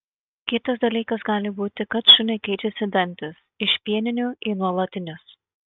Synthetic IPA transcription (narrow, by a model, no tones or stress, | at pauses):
kʲɪt̪ɐsd̪ɐlʲiːkɐsɡɑːlʲɪbuːt̪ʲɪkɐt̪ʃʲʊnʲɐɪkʲɛɪt͡ʃʲɛsʲɪd̪ʲɛnʲt̪ʲɪs | ɪʃʲpʲiɛnʲɪnʲʊʔɪːnuɔlˠɐt̪ʲɪnʲɪs